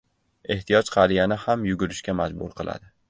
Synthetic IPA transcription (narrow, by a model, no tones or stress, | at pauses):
e̞ht̪ʰijɒd͡ʒqʰɑɾijanɪhamjʊɡʲʊɾɪʃkʲamad͡ʒbʊ̰ɾqʰɨlˠa̰d̪ɪ